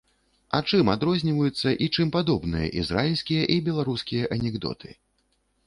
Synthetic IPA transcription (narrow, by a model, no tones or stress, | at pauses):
at͡ʂɨmad̪ɾɔzʲnʲivɐjut̪sːɐʔit͡ʂɨmpad̪ɔbnɨjɐ̰ʔizɾalʲsʲkʲijɐʔibʲɛlˠaɾuskʲijɐʔɐnʲɛɡd̪ɔ̰t̪ʰɨ̥